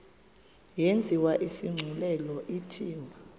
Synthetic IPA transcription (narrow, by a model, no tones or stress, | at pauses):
jent͡sʼiwaʔisiŋ͡ǀʱulɛlɔʔitʰiːwa